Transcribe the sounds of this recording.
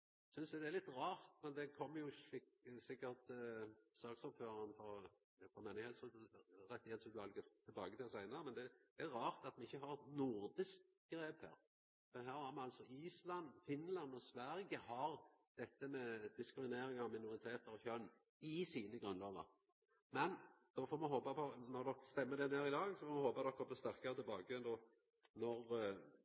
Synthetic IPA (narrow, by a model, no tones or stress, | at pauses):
sʏnsd̪ɛd̪ɛæɾlɪt̪ːɾɑːɾt̪mɛnd̪ɛkʰɔmːjʊɪksɪkːəɾt̪ | sɑːksɔbføːɾɑnfɔ | fɔmeːnɪheːt̪sʉd̪ɾɛt̪ːɪheːt̪sʉːt̪ʋɑlɡət̪ʰːɪlbɑːɡət̪ʰɪlsæɪnəɾəmɛnd̪ɛd̪æɾɑːʁt̪ɑt̪mɛɪçːəɦɑɾɛt̪nʊɾd̪ɪsk | ɡ̥ɾeːphæ̰ːɾ | fɔɦæːɾæɾmɛɑlsɔiːslɑnːfɪnlɑnːɔsʋæɾɡəhɑɾd̪̥ɛt̪ːəmɛd̪ɪskɾɪmɪneːɾɪŋɑʋmɪnʊɾɪt̪ʰeːt̪əɾɔçœnː | ɪsiːnəɡɾʁʉnlɑːɡə̰ɾ | mɛnd̪̥ɔfɔːmɛɦoːpɑpɔnɔɾd̪ɔkːst̪ɛmːəd̪ɛneːɾɪd̪ɑːɡsɔfɔːɾmɑhoːpɑd̪ɔkːɔbəst̪æʁkəɾət̪ʰɪlbɑːɡəd̪ɔ | nɔɾ